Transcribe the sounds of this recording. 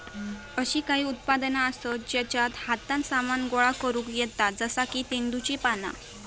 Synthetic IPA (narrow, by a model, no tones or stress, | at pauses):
əɕiːkaɦiːut̪̚pad̪naəsəd͡ʑɛt͡ɕat̪hat̪ãnsamanɡoɭakəɾũkjɛt̪ad͡zəsakiːt̪end̪ut͡ɕipana̰